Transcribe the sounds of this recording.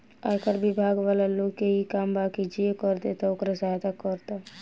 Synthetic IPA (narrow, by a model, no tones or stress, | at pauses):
akəɾbibʱaɡʋalaloɡkeɦikambakid͡ʒiekəɾd̪et̪ɔokɾasajt̪akɔɾt̪a